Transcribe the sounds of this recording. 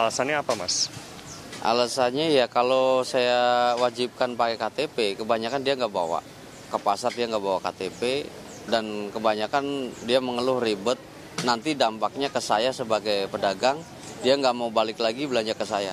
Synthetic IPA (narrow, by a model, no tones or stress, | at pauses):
alasanɲaːpama̰s | ʔa̰lasanɲajakalosajawad͡ʒip̚kanpakekat̪epekəbaɲakandiaŋɡaʔba̰wa̰ | kəpasat̪̚diaŋɡaʔbawaka̰t̪epe | dankəbaɲakandiaməŋəlʊhribət̪̚ | nant̪idampak̚ɲakəsajasəbaɡajpədaɡaŋ | diaŋɡaʔmaubalɪklaɡibəlaɲd͡ʒakəsaja